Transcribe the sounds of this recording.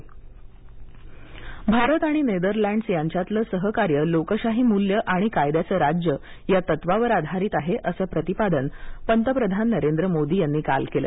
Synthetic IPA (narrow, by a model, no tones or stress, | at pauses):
bʱaɾət̪aɽ̃ined̪əɾlæ̃ɳɖsjaɲt͡ɕat̪ləːsəɦəkaɾjəlokəɕaɦiːmuljəʔaɽ̃ikajd̪jat͡səːɾad͡ʑjə | jat̪ət̪ʋaʋəɾad̪ʱaɾiːt̪aɦeʔəsəːpɾət̪ipad̪ənpənt̪əpɾəd̪ʱanːəɾend̪ɾəmod̪iːjanːiːka̰lkelə̰ː